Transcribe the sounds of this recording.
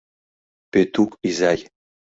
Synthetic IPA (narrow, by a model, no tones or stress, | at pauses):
pet̪ukizaj